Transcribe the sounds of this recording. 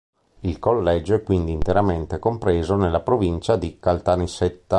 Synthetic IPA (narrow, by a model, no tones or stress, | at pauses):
ilkolːɛd͡ʒoɛkwind̪iːnt̪eɾament̪ekompɾeːzonelːapɾovint͡ʃad̪ikalt̪aniset̪ːa